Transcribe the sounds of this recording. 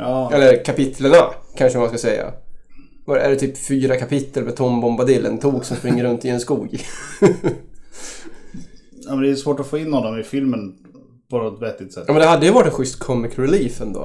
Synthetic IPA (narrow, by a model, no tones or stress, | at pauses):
ɑɛlːəɾkʰapɪt̪ʰləɳakʰanʂəmaskasɛjːa̰ | vaæ̰ɖɛt̪ʰyːpfyːɾakʰapɪt̪ːəlmɛt̪ʰɔmbɔmbad̪ɪlːʔɛnt̪ʰuːksɔmspɾɪŋːəɾɵnt̪ɪɛnskuːɡ | mɛnd̪ɛjsvoːʈɔfoːɪnːhɔnːɔmɪfɪlmən | pʰɔnɔt̪vɛt̪ːɪt̪sɛt̪ɑːmɛnd̪ɛhad̪ːəjəvɑːɾɪʈ̪ɛnɧʏst̪kʰɔmːɪkɾɛliːfɛnd̪o̰ː